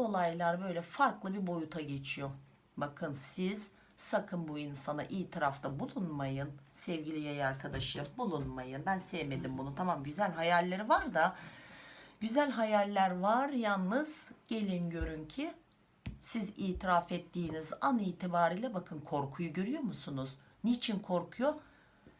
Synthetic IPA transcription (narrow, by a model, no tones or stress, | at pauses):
olˠajlˠaɾbø̞jlʲɛfaɾklˠɯbiɾbo̞jut̪ʰaɟe̞t͡ʃʰijo̞ | bakʰɯnsiz̥ | sakʰɯnbuinsana̰ʔiːt̪ʰiɾaft̪ʰabulˠunmajɯn | sɛvɟilʲijajaɾkʰad̪aʃɯmbulˠunmajɯnbænsɛvme̞d̪imbununt̪ʰamamɟyzælʲɦajalʲːeɾivaɾd̪a | ɟyzælʲɦajalʲːæɾvaɾjalˠnɯz̥ɟ̥e̞lʲinɟø̞ɾyncʰi | siziːt̪ʰiɾafɛt̪ʰːiːnizaniːt̪ʰibaːɾiːlʲɛbakʰɯnkʰo̞ɾkʰujuɟø̞ɾyjo̞musunuz̥ | nit͡ʃʰinkʰo̞ɾkʰujo